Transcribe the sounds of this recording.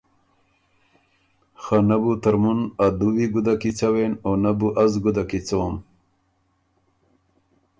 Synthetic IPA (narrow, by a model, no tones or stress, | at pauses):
xanabut̪aɾmunad̪uwiɡud̪akit͡sawenonabuʔazɡud̪akit͡som